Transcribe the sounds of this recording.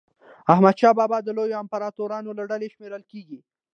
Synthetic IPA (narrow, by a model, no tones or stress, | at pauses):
ahmad̪ʃɑbɑbɑd̪əlojoampaɾɑt̪oɾɑnolaɖaleʃmeɾəlkeɡi